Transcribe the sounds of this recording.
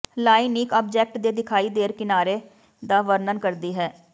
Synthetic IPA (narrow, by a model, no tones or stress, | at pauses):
laːiniːkaːb̚d͡ʒɛːk̚ʈd̪eːd̪ɪkʰaːiːd̪eːɾkɪnaːɾeː | d̪aːʋəɾnənkəɾd̪iːɦɛː